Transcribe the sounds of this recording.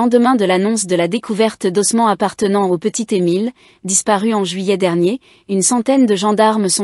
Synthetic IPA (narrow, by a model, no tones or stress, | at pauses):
ɑ̃d̪əmɛ̃d̪əlanɔ̃s̬d̪əlad̪ekʰuvɛʁt̪d̪ɔsmɑ̃apaʁt̪ənɑ̃opət̪it̪emil | d̪ispaʁyɑ̃ʒɥijɛd̪ɛʁnje | ynsɑ̃t̪ɛnd̪əʒɑ̃d̪aʁmsɔ̃